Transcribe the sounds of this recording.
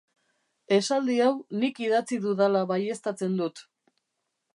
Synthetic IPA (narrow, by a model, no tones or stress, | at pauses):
e̞sald̪iawnikiðat͡siðuðalaβaje̞st̪at͡se̞nd̪ut̪